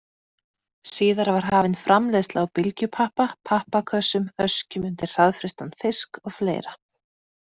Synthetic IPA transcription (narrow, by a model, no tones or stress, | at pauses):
siːðaɾavaɾ̥ɦaːvɪnfɾamlejst̪laawpɪlcʏpʰahpapʰahpakʰœsʏmhœscʏmʏnt̪ɪɾ̥r̥aðfɾɪst̪anfɪskɔɣflḛːjɾa